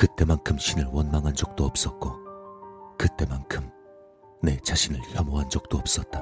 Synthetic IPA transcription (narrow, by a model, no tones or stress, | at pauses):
kɯt͈e̞mankʰɯmɕʰinɯɭwʌnmaŋɦand͡ʑʌk̚t͈oʌp̚s͈ʌt̚k͈o | kɯt͈e̞mankʰɯm | ne̞t͡ɕaɕʰinɯɭçjʌmoɦand͡ʑʌk̚t͈oʌp̚s͈ʌt̚t͈a